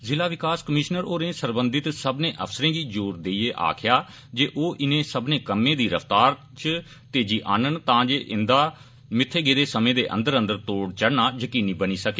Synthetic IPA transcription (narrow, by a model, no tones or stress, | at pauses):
zɪlaːʋɪkaːskəmɪːʃnəɾoːɾẽːsəɾbə̃nd̪ɪt̪səbnẽːʔə̰fsəɾẽːɡiːd͡ʒoːɾd̪eːieːʔa̰ːkʰɪjaː | d͡ʒeːʔoːʔɪnẽːsəbneːkəmẽːd̪iːɾəft̪aːɾ | t͡ʃə | t̪eːd͡ʒiːʔaːnəɳt̪ãːd͡ʒeːʔɪnd̪aː | mɪt̪ʰːeːɡeːɾeːsəmẽːd̪eːʔə̰̃nd̪əɾə̃nd̪əɾt̪oːɽt͡ʃəɽnaːd͡ʒəkiːniːbəniːsəkeː